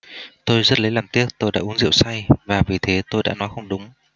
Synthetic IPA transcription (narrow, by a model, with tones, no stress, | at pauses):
t̪o˧jzə˦˥t̚lə˨˦jlaː˨˩mt̪i˦˥ək̚t̪o˧jɗa̰ː˧˥ʔu˨˦ənzḭ˧˨wsa˧jvaː˨˩vi˨˩t̪ʰe˨˦t̪o˧jɗa̰ː˧˥nɔ˨˦jxə˧wŋ͡mɗʊ˨˦ŋ͡m